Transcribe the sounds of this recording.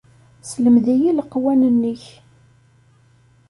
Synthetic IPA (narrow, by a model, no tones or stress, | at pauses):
sləmðijiləqːwænənːəç